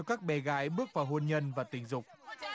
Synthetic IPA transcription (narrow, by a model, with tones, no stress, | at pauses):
kaː˦˥k̚ɓɛ˨˩ɣa̰ː˨˦jɓɨ˦˥ək̚vaː˨˩wɦo˧nɲə˧nvaː˨˩t̪ï˨˩˦ŋ̟zʊ˨˩k͡p̚